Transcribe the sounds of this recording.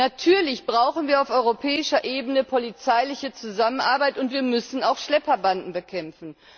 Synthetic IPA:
natʰyːɐlɪçb̥ʁaʊxn̩viːɐaʊfɔʏʁopʰɛːɪʃɐʔeːbənəpʰolit͡saɪlɪçət͡suzamənʔaɐbaɪtʊntv̥iːɐmʏsn̩aʊxʃlɛpɐbandn̩bəkʰɛmfn̩

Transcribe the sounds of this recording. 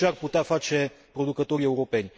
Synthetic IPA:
earput̪eafat͡ʃe̞pɾo̞d̪ukət̪o̞ɾie̞uɾo̞pe̞nʲ

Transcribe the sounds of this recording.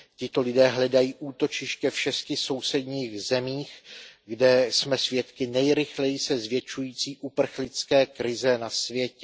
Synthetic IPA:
cɪt̪o̞lɪdɛːɦlɛdajiːʔuːt̪o̞t͡ʃɪʃcɛfʃɛscɪso̞wsɛd̪ɲiːxzɛmiːxɡdɛsmɛsvjɛt̪kɪnɛjɾɪxlɛjɪsɛzvjɛt͡ʃujiːt͡siːʔupr̩xlɪt͡skɛːkɾɪzɛnasvjɛcɛ

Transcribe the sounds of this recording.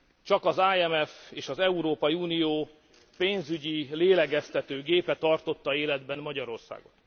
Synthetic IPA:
t͡ʃɒkɒzaːɛmɛfeːʃɒzɛuɾoːpɒiuːnijoː | peːnzyɟileːlɛɡɛst̪ɛt̪øːɡeːpɛt̪ɒrt̪o̞t̪ːɒeːlɛd̪bɛnːɒɟɒɾo̞rsa̰ːɡo̞̰t̪

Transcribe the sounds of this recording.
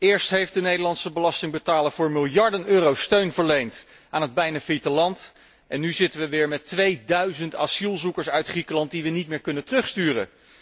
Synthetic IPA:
ɪːɹstɦejfdənejdəlɑntsəbəlɑstɪŋbətaːləɹvʊːɹmɪlˠjɑɹdənøːrowstøɥnvəɹlejnt | ʔaːnəd̚bɛjnafitəlɑnt | ʔɛnːyzɪtənʋəʋɪːɹmɛtʋejdœɥzəntasilˠzukəɹsœɥtχrikəlɑnt̚diʋənit̚mɪːɹkɵnətrɵχstyːrə̰

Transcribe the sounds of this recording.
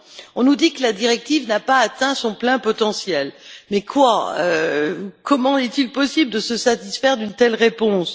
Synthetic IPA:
ɔ̃nud̪ikəlad̪iʁɛk̚t̪ivnapaːt̪ɛ̃sɔ̃plɛ̃pɔt̪ɑ̃sjɛlmɛkwaø | kɔmɑ̃ɛt̪ilpɔsibld̪əsəsat̪isfɛʁd̪ynt̪ɛlʁepɔ̃s

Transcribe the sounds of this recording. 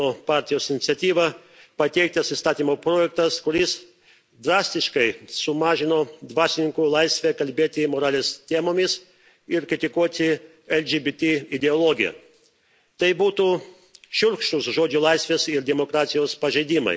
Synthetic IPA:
oːpɑˑɾʲt̪ʲɪjoːsɪnʲɪt̪sʲɛt̪ʲiːʋɐ | pɐt̪ʲɛɪk̚t̪ɐsist̪ɑːt̪ʲiːmoːpɾoːjɛk̚t̪ɐskʊɾʲɪs | d̪ɾɑːsʲt̪ʲɪʃkɐɪsʊmɑːʒʲɪnoːd̪ʋɑːsʲɪnʲɪŋkulˠɐɪsʲʋʲɛkɐlʲbʲeːt̪ʲɪmoːɾɑːlʲeːst̪ʲeːmoːmʲɪs | ɪɾkɾʲɪt̪ʲɪkuɔt̪ʲɪ | ɛlʲd͡ʒʲibʲɪt̪ʲɪɪd̪ʲɛoːlˠoːɡʲɪjɛ̰ | t̪ɐɪbuːt̪uː | ʃʲʊɾkʃt̪ʊsʒoːd͡ʒʲulˠɐɪsʲʋʲeːsɪɾd̪ʲɛmokɾɑːt̪sʲɪjoːspɐʒʲɛɪd̪ʲɪmɐ̰ɪ

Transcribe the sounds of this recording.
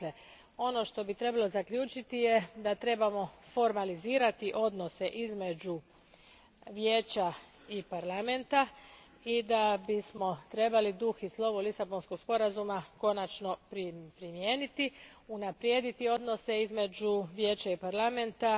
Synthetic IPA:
e | o̞no̞ʃt̪o̞bit̪ɾe̞balˠo̞zakʎuːt͡ʃit̪ijed̪at̪ɾe̞bamo̞fo̞ɾmaliziːɾat̪iʔo̞d̪no̞se̞ʔizme̞d͡ʒu | ʋjeːt͡ɕa | ipaɾlame̞nt̪a | id̪abismo̞t̪ɾe̞balid̪uxislˠo̞ʋulisabo̞nskoɡspo̞ɾazumako̞nat͡ʃno̞pɾipɾimjeːnit̪i | unapɾjed̪it̪io̞d̪no̞se̞izme̞d͡ʒuʋjeːt͡ɕaipaɾlame̞nt̪a

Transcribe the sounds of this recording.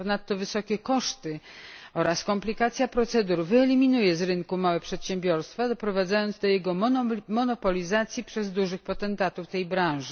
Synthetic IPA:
ɔnat̪ːɔvɘsɔkʲɛkɔʂt̪ɘɔɾaskɔmplʲikat̪sʲjapɾɔt̪sɛd̪uɾvɘɛlʲimʲinujɛzɾɘŋkumawɛpʂɛt̪ɕɛmbʲjɔɾst̪fad̪ɔpɾɔvad̪zajɔnd̪zd̪ɔjɛɡɔmɔnɔpɔlʲizat̪sʲjipʂɛzd̪uʐɘxpɔt̪ɛnt̪at̪uft̪ɛjbɾãw̃ʐɘ

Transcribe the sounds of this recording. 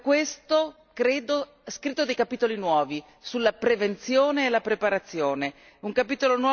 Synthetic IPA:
kːwest̪o | kɾeːd̪o | ɛskɾit̪ːod̪ejkapiːt̪olinwɔːvi | sulːapɾevent̪sjoːneːlapɾepaɾat̪sːjoːne | uŋkapiːt̪olonwɔ

